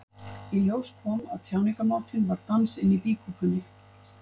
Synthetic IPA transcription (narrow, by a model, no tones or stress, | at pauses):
iljoːwskʰɔːmaðt̪ʰjawnikamaːwt̪ʰɪnvaɾt̪ansɪnːipiːkuːpʏnːɪ